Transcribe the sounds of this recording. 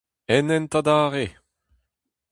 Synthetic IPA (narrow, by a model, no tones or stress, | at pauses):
ɛnɛnt̪ad̪aːʁe